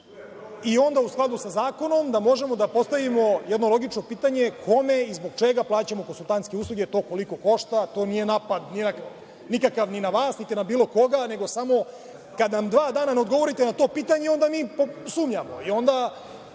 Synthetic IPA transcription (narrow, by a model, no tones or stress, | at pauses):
io̞nd̪ausklad̪usazaːko̞no̞md̪amo̞ʒe̞mo̞d̪apo̞st̪aʋimo̞jed̪no̞lˠo̞ɡit͡ʃnopiːt̪aɲe̞kʰo̞me̞izbo̞ɡt͡ʃeɡaplˠaːt͡ɕamo̞konsulˠt̪ant̪ske̞uːslˠuɡet̪o̞ːko̞liko̞ko̞ʂt̪at̪o̞ːnije̞naːpad̪ninak | nikakaʋninaʋaːsnit̪inabiːlo̞ko̞ɡane̞ɡo̞samo̞ | kad̪namd̪ʋaːd̪aːnaneod̪ɡo̞ʋo̞ɾit̪enat̪o̞ːpiːt̪aɲe̞o̞nd̪amiːposuːmɲamo̞̰io̞nd̪a